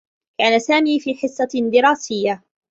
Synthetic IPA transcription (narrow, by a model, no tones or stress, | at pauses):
kaːnasaːmiːfiːħɪsˤːɑd̪ɪɾˤaːsɪjːa